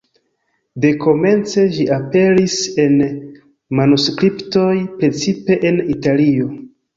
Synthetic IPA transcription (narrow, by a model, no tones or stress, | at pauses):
de̞ko̞me̞nt͡se̞ʃiʔape̞ɾise̞n | manuskɾipto̞jpɾe̞t͡sipe̞ʔenitalio̞